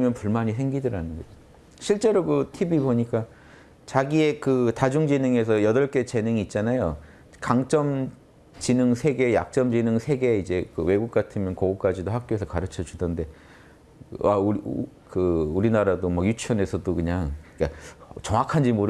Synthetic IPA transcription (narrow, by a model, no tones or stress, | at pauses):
mjʌnpuɭmaɲis̬ʰe̞ŋɡidɯɾanɯnɡʌd͡ʑo | ɕʰiɭt͡ɕ͈e̞ɾokɯtʰibiboɲik͈a | t͡ɕaɡiekɯtad͡ʑuŋd͡ʑinɯŋe̞sʰʌjʌdʌɭk͈e̞t͡ɕe̞nɯŋiːt̚t͡ɕ͈anajo | kaŋt͡ɕ͈ʌm | t͡ɕinɯŋsʰe̞ɡe̞ja̰k̚t͡ɕ͈ʌmd͡ʑinɯŋsʰe̞ɡe̞id͡ʑe̞kɯwe̞ɡuk̚k͈atʰɯmjʌnkoɡuk͈ad͡ʑidohak̚k͈joe̞sʰʌkaɾɯt͡ɕʰʌd͡ʑudʌnde̞ | au | kɯuɾinaɾadomʌjut͡ɕʰʌne̞sʰʌdokɯɲaŋik͈at͡ɕʌŋakʰand͡ʑimoɾɯ